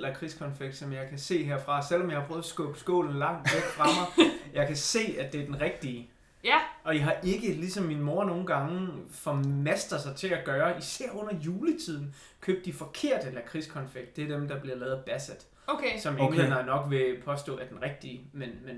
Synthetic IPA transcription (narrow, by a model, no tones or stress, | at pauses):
lækʰʁiskʰɒ̽nfeɡ̥̚d̥sɒ̽mjɑ̈ɪkʰæse̝̰ːɦeɐ̰fʁɑ̈sel̰ɒmjɑɪhɑ̈pʰʁɔːðˠsɡ̥ɔ̽b̥sɡ̥ɔ̰̽ːln̩lɑ̈ŋ̰d̥ʋeɡ̥fʁɑ̈mɑ̈ɪjɑ̈ɪkʰæse̝̰ːæd̥e̝æɐd̥enʁɛɡ̥̚d̥iə | ʔɒ̽iɦɑ̈ʔe̝ɡ̥əlisɒ̽mːinmo̝ːɐno̝ːn̩ɡ̥ɑ̈ŋəfɒmesd̥ʁɐðˠsɑ̈ɪt͡sʰe̝æɡ̥ɶːɐisæɐ̰ɔ̽n̰ɐjuːlət͡sʰið̞̰ˠn̩ | kʰøːb̥̚d̥ifɒ̽kʰe̝ɐ̰d̥əlækʰʁiskʰɒ̽nfeɡ̥̚d̥e̝æɐd̥emd̥ɑ̈b̥liɐlɛːð̩ˠb̥æsed̥ | sɒ̽menhenɐænɒ̽ɡ̥ʋe̝pʰɒ̽sd̥ɔ̰̽ːæɐd̥enʁɛɡ̥̚d̥iəmenmen